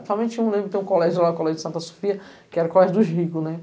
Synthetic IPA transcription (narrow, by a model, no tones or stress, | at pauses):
sawmẽt͡ʃĩlẽbɾkt̪ẽũkolɛʒʊlaʊkolɛʒʊd͡ʒɪsɐ̃nt̪ɐso̥fiɐ | kɪɛɾɐʊkolɛʒʊd̪ʊzɦikʊnɛ